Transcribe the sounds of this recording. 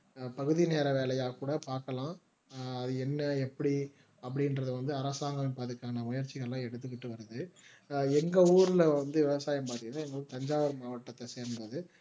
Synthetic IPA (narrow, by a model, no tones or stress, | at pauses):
pɐɣɯðineːɾɐʋeːlɐjaːkuːɽɐpaːɾkɐlãː | ɐðɯɛnːɐɛpːɐɽi | ɐpːɐɽɪnɾɐðɯʋɐnd̪ɯɐɾɐsaːŋɡɐmɪnpaːɾt̪ɯkːaːɐnɐmʊjɐɾt͡ʃːɪɣɐɭlãːɛɽɯt̪ːɯk̬ːɪʈːɯʋɐɾɯðɯ | ɛŋɡɐuːɾɪlɐʋɐnd̪ɯʋɪʋɐsaːjɐmpaːɾt̪ɯkːɐt̪ːãɛŋɡɐɭɯkːɯt̪ɐɲd͡ʒaːʋɐɾmaːʋɐʈːɐt̪ːɐseːɾɯndɐðɯ